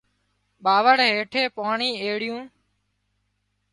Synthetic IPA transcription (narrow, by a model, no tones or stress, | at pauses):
ɓaːʋəɽɦeːʈʰeːpaːɳiːeːɽɪjũː